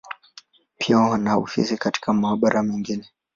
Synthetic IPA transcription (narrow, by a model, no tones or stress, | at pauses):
pʰianaṵfḭsikati̥kamaːɓaɾʔamiŋɡinɛ